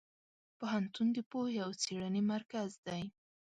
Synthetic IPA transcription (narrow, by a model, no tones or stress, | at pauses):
poɦant̪und̪əpoheawt͡seɽənemaɾkazd̪aj